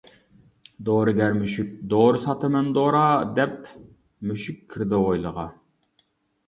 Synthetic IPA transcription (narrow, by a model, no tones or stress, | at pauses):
d̪oɾɨɡʲɛɾmyʃyk̚ʲd̪oːɾsɑt̪ʰɨmɛnd̪oɾɑd̪ɛp | myʃykʲʰːiɾd̪ɪojlˠəʁɑ